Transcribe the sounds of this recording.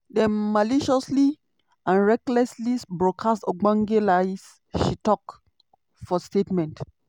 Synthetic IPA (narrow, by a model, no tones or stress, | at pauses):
dɛ̃nmaliʃɔsli | ãnɹɛklɛslisbɹɔkʰastɔɡ͡bãŋɡelaɪs | ʃitɔk | fɔstetmɛ̃nt